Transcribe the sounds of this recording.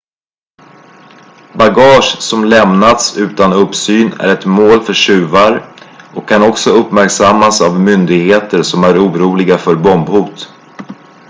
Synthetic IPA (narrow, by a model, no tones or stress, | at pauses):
baɡɑːʂsɔmlɛmnat̪sʉ̟ːt̪anɵpsyːnæ̰ɾɛt̪moːlfœʂʉ̟ːvaɾɔkʰːanɔksɔɵpːmæɾksamːasavmʏnd̪ɪɡheːt̪əɾʂɔmæɾuːɾuːlɪɡafœɾbɔmbhuːt̪